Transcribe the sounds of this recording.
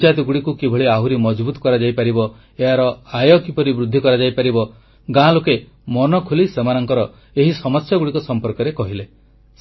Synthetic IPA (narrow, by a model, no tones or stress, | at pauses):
t͡ʃat̪iɡuɽikukibʱɔɭiaɦuɾimɔd͡ʒbut̪ɔ̥kɔɾad͡ʒajpaɾibɔ | eɦaɾɔajɔkipɔɾibɾud̪ʱːikɔɾad͡ʒajpaɾibɔ | ɡãloke | mɔnɔkʰolisemanɔŋkɔɾɔ | eɦisɔmɔsjaɡuɽikɔsɔmpɔɾkɔɾekɔɦile